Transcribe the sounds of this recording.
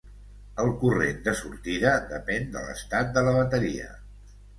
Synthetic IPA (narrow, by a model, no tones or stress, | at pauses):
əlˠkurend̪əsuɾt̪iðəd̪əpɛnd̪ə̰lə̰st̪at̪̚d̪ələβət̪əɾiə̰